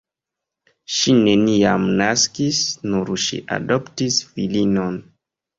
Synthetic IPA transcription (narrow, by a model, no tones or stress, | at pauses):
ʃine̞niamnaskisnuɾʃḭʔa̰doptisfilino̞n